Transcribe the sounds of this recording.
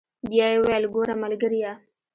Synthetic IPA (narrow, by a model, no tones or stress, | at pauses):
bjɑjewajlɡoɾamalɡəɾija